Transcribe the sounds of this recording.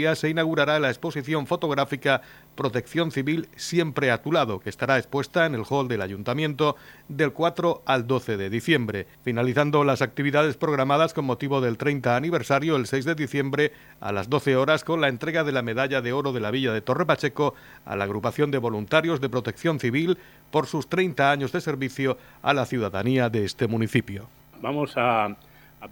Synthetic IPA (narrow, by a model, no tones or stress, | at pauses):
iase̞inaɣ̞uɾaɾaelaespo̞siθjo̞ɱfo̞t̪o̞ɣ̞ɾafika | pɾo̞t̪e̞kθjo̞nθiβilsje̞mpɾe̞at̪ulaðo̞keːst̪aɾae̞spwe̞st̪aene̞lxo̞ld̪e̞laʝunt̪amjẽ̞nt̪o̞d̪e̞lkwat̪ɾo̞ald̪o̞θe̞ðe̞ðiθje̞mbɾe̞finaliθand̪o̞lasak̚t̪iβiðaðe̞spɾo̞ɣ̞ɾamaðasko̞mmo̞t̪iβo̞ðe̞lt̪ɾe̞jnt̪aːniβe̞ɾsaɾjoelse̞jzðe̞ðiθje̞mbɾe̞ | a̰lazd̪o̞θe̞o̞ɾasko̞nlae̞nt̪ɾe̞ɣaðe̞lame̞ðaʎaðe̞o̞ɾo̞ðe̞laβiʎaðe̞t̪o̞re̞pat͡ʃe̞ko | a̰laːɣ̞ɾupaθjo̞nd̪e̞βo̞lunt̪aɾjo̞zðe̞pɾo̞t̪e̞kθjo̞nθiβil | po̞ɾsust̪ɾe̞jnt̪aaɲo̞zðe̞se̞ɾβiθjo̞ | a̰laθjuðaðaniaðe̞est̪e̞mũniθipjo̞ | bamosa